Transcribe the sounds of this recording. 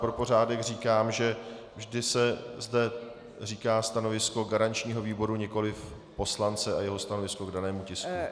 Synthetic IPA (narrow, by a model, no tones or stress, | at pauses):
pɾopo̞r̝aːdɛxr̝iːkaːmʒɛ | vʒdɪsɛzdɛ | r̝iːkaːst̪ano̞vɪsko̞ɡaɾaɲt͡ʃɲiːɦo̞viːbo̞ɾuɲɛko̞lɪf | po̞slant͡sɛajɛɦo̞st̪ano̞vɪskoɡdanɛːmucɪsku